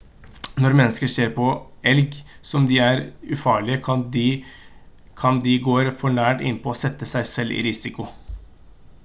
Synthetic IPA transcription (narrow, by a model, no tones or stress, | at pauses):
nɔɾmɛnːəskəʂeːɾpʰɔ | ɛlɡsɔmd̪ɪæɾʉfɑːɭɪəɑ | kʰɑnd̪ɪɡoːɾfɔɳæːʈɪ̰nːpʰɔɔsɛt̪ːəsæɪsɛlːʔɪ̰ɾɪsɪkʊ